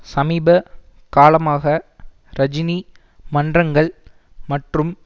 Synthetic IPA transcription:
sɐmiːbɐ | kaːlɐmaːɣɐ | ɾɐd͡ʒɪni | mɐndrɐŋɡɐɭ | mɐʈrɯm

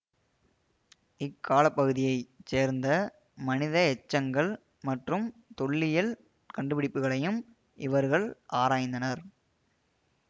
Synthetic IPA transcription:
ɪkʰːaːlɐpːɐɣɯðɪjɐɪt͡ʃeːɾnd̪ɐ | mɐnɪðɐɛt͡ʃːɐŋɡɐɭ | mɐʈrɯmt̪ɔɭːɪjɪl | kɐɳɖɯpɪɽɪpːɯɣɐɭɐjɯm | ʔɪʋɐɾɣɐɭʔaːɾaːjnd̪ɐnɐɾ

